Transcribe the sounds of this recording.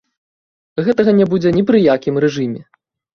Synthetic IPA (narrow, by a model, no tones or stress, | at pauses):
ɣɛt̪ɐɣɐnʲɛbud͡zʲɛnʲipɾɨjakʲimɾɛʐɨmʲɛ